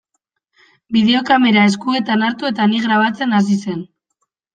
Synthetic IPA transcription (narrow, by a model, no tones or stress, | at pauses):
biðe̞o̞kame̞ɾae̞skue̞t̪anaɾt̪ue̞t̪aniɣɾaβ̞at͡se̞nas̬ise̞n